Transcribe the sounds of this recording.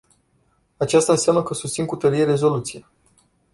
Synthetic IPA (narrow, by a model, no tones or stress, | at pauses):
at͡ʃast̪aɨnseamnəkəsust̪sinkut̪əɾijeɾe̞zo̞lut̪sija